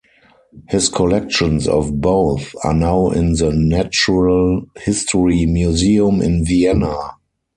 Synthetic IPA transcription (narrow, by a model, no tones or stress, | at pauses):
hɪskʰɔlɛk̚ʃɔ̃nsɔ̰fboʊθa̰naʊʔɪ̃nðənæt͡ʃuɹəlhɪstʰɔɹimjuziə̃mɪ̰̃nviɛna